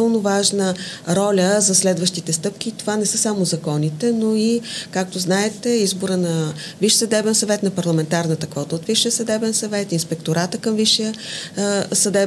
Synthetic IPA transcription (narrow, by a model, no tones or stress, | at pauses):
əlˠnovaʒnəɾɔlʲəzɐslɛd̪vəʃt̪it̪ɛst̪ɤp̚k̟ʲit̪ovanɛsɤsamozɐkɔnit̪ɛnoikak̚t̪oznaɛt̪ɛizboɾənɐ | viʃsɐd̪ɛbɛnsɐvɛt̪nɐpɐɾlˠɐmɛnt̪aɾnət̪ɐkvɔt̪əot̪viʃijəsɐd̪ɛbɛnsɐvɛt̪inspɛkt̪oɾat̪əkəmviʃijə | sɐd̪ɛ